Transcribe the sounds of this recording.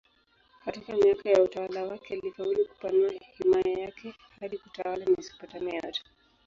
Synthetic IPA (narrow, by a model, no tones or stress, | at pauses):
katikamiakajautawalawakɛlifauliku̥panuahimajajakɛ | haɗikutawalamisi̥patamɛa̰tḁ